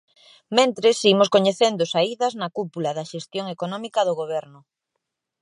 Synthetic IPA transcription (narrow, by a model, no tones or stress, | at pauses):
mẽnt̪ɾɪsimʊskoɲeθend̪ʊsaiðɐznɐkupulaðɐʃest̪joŋekonɔmikɐðʊɣoβ̞ɛɾnʊ